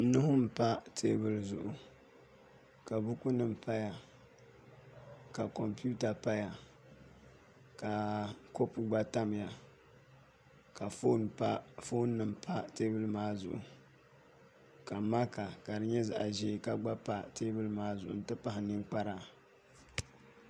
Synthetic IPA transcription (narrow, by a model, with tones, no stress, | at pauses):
n˦nʊ˦hʊ˦m̩˨pa˦tʰeː˦bɨ˨lzʊ̰˨ʔʊ˨ | ka˨bu˦ku˦nɨ˨m̩˦˨pʰa˦ja˨ | ka˨ko˨mpu˦ta˨pa˦ja˨ | ka˨ko˦pɨ˨ɡ͡ba˦ta˦m˨ja˨ | ka˨fo˦n˦fo˦nː˦ɨ˨m˨pʰa˦teː˦bɨ˦lmaː˦zʊ̰˨ʔʊ˨ | ka˨ma˦ka˨ka˨dɨ˨ɲɛ˦za̰˨ʔa̰˨ʒeː˦˨ka˦ɡ͡ba˦pa˦teː˦bɨ˦lɨ˦maː˦zʊ˨ʔʊ̰˨n̩˨tɨ˦pa˦hɪ˨nɨ˦ŋk͡pa˦ɾa˨